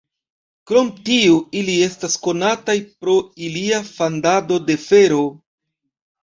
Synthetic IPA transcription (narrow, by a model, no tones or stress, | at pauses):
kɾo̞mtiuilie̞stasko̞natajpɾo̞iliafandado̞de̞fe̞ɾo̞